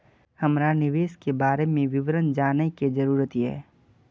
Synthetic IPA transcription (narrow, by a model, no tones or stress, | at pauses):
hɐmɾanɪʋeːskebaːɾemẽʋɪʋɾənd͡ʒaːneked͡ʒɐɾuːɾət̪ɦɛ̰ː